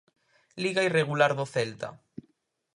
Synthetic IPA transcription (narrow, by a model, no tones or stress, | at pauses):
liɣaireɣ̞ulaɾðoθelt̪a̰